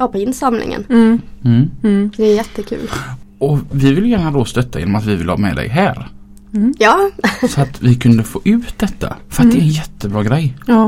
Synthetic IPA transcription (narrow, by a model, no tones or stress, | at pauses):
ɑpɔɪnsamlɪ̰ŋə̰n̩ː | d̪ɛːjɛt̪ːəkʰʉ̟̰ːlɔvɪvɪləjæːɳad̪ost̪œt̪ʰːajḛːnɔmat̪vɪvɪləhɑ̰ːmɛ̰ːd̪ɛ̰jɦæːɾ | jɑːsɔat̪vɪkʰɵnd̪əfoːʔʉ̟ːt̪̚d̪ɛt̪ʰːa̰fœɾat̪d̪ɛɾɛnjɛt̪ʰːəbɾɑːɡɾɛj